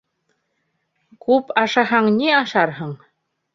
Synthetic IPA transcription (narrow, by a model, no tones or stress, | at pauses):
kʉpɑʃɑɦɑɴniɑʃɑɾɦɤɴ